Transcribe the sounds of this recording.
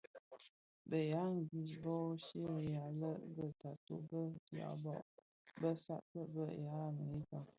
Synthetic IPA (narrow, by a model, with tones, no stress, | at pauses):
bə˨ja˨˦ŋ̩˨ɡi˨sbɔ˦ʃe˦˨ja˨lə˦bə˦ta˨to̰˨bə˦ja̰˨bɔ̰˦ʔ | bə˦sa̰˦ʔtə˦bə˦˨ja˨˦˨mə˨i˦ta˨